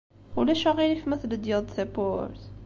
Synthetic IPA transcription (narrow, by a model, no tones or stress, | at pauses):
ulæʃaʁilifmæθləd̪jɑðˤθæpoɾθ